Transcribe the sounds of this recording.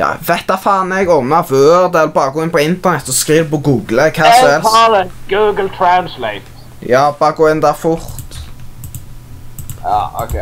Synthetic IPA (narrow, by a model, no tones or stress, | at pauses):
jɑ̰ːʋɛt̪ːɑfɑːnɛɡɔmɑvøːʁd̪ɛːlbɑːʁəɡoːɪnpʰɔɪnt̪əʁnɛt̪ːɔskʁiːʋpɔɡuːɡləkʰɑːsɔhɛlɑːləɡ̥uːɡəl̩t̪ʰɹansleɪt̪ | jɑːb̥ɑːʁəɡoːɪnd̪æfʊʁt̪ | ɑ̰o̰kʰe